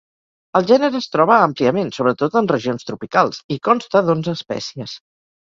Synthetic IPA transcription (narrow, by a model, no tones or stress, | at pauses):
əlˠʒɛnəɾəːst̪ɾɔβ̞əəmpliəmensoβɾət̪ot̪ənrəʒionst̪ɾupikalˠzikɔnst̪əðonzəspɛ̰siəs